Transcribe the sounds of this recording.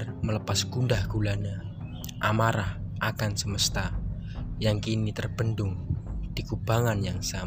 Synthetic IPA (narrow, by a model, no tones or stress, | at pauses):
rmələpasɡundahɡ̥ulana | ʔa̰maɾahʔakansəməst̪a | jaŋkinit̪ərb̥əndʊŋd̥ikub̥aŋanjaŋsam